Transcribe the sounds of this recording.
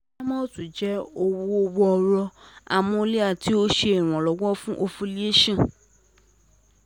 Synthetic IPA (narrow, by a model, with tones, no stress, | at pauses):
a˦mɔ̃˦tũ˨d͡ʒɛ˦o˧wu˦o˧wɔ˦ɔ˧ɾɔ˧a˨mɔ̃˦o˧li˦a˦˨ti˨˦o˦ʃe˧ɛ˨w̃ɔ̃˨lɔ˨˦wɔ˦fũ˦ʔo˧fu˧li˦e˦ʃã˦˨